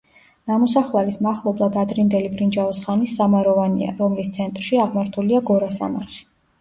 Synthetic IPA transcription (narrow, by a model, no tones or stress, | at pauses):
namɔsaχlˠɛvismaχlˠɔblˠad̪ad̪ɾind̪ɛlibʰʼɾind͡ʒavɔsχanisːamaɾɔvanḭa̰ɾɔmlist̪sʰɛnt̪ʼɾʃiaʁmaɾt̪ʰuliaɡɔɾasa̰ma̰ɾχi̥